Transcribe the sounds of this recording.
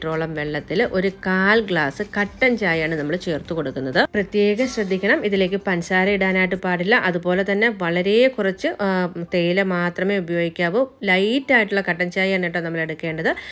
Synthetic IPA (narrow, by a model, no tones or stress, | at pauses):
ʈro̞ːɭɐmʋe̞ɭːɐt̪ːilʔo̞ɾukaːlɡɭaːsɨkɐʈːɐɲt͡ɕaːjaːɳɨnɐmːɐɭt͡ɕe̞ːrt̪uko̞ɽukːunːɐðɨprɐt̪je̞ːɡɐɕrɐd̪ʱːikʲːɐɳɐmiðile̞ːkːɨpɐnsaːɾɐiɽaːnaːjiʈːɨpaːɽilːɐʔɐðupo̞ːle̞t̪ɐnːe̞ʋɐɭɐɾejekurɐt͡ɕːɨt̪ejilemaːt̪rɐme̞ːubɐjo̞ːɡikʲːaːʋolɐjtːaːjiʈːuɭːɐkɐʈːɐɲt͡ɕaːjeɳiʈːɐnɐmːɐɭeɽukːe̞ːɳɖɐðɨ